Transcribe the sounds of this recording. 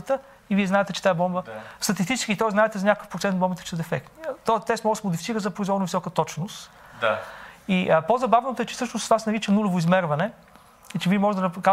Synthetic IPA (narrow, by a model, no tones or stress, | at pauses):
ət̪ə | iviɛznaɛt̪ɛt͡ʃɛt̪aɛbɔmbəst̪ɐt̪ist̪it͡ʃɛskʲit̪ɔjzaɛt̪ɛzɐnʲakəkəfpɾot̪sɛnt̪bɔmbit̪t͡ʃɛ̥sɛd̪ɛfɛk̚t̪t̪ɔt̪ɛsmɔɡsmʊd̪ifitsiɾəzɐpɾoizvɔɾnovisɔkət̪ɔt͡ʃnost̪ | iʔəpozɐbavnot̪oɛt͡ʃɛ̥sɤʃnost̪vasɛnɐɾit͡ʃənulʲovoizmɛɾvɐnɛ | ɛt͡ʃɛviɛmɔʒɛd̪ɐnɐka